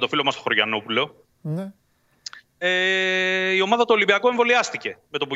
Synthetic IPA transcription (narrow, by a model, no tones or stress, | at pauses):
t̪ofilo̞mɐst̪oxo̞ɾʝɐno̞pulo̞ | e | io̞mɐðɐt̪olimbiɐkoe̞ɱvo̞liɐst̪ice̞me̞t̪o̞pu